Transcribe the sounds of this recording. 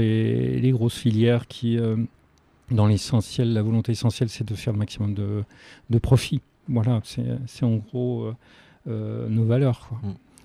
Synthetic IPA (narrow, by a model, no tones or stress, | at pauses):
eleɡʁosfiljɛʁkʲʰiø | d̪ɑ̃lesɑ̃sjɛlːavɔlɔ̃t̪eesɑ̃sjɛlsɛd̪əfɛʁləmaksimɔmd̪əd̪əpχɔfi | vwalasɛ̰sɛɑ̃ɡʁoø | ønovalœʁkwa